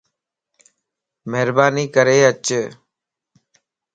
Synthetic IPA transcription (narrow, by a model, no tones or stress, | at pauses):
mɛɦɾbaːniːkəɾeːət͡ʃː